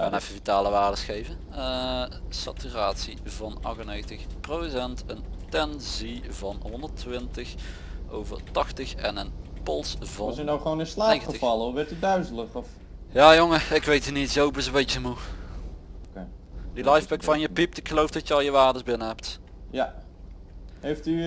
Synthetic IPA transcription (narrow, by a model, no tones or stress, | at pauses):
xaːnɛfəvitaːləʋaːrdəsxejvə | əsa̰tyraːtsivɑnɑ̰xənejɣəntəxprodsɛntəntɛnzivɑnɦɔndərtʋɪntəx | o̰wvə̰rtɑxtəxɛ̰nənpɔlˠsvɔsənawχʋownɪnslaːeənətəɑlˠəɔfʋɛɹtydœɥzələχɔf | jaːjoŋəɪkʋejtinitzowbəsəbejt͡ʃəmu | ke | dilɑjfbɛkfɑnjəpip̚tɪkxəlowfdɑtjəɑlˠjəʋaːrdəzbɪnəɦɛpt | ja | hejfty